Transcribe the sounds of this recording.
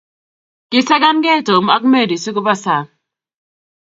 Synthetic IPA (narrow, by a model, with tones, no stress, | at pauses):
ki˨sa˦ɡa˦nɡɛ˦˨to˨m˨a˦k̚me˦˨di˨si˦ku˦ba˦sa˨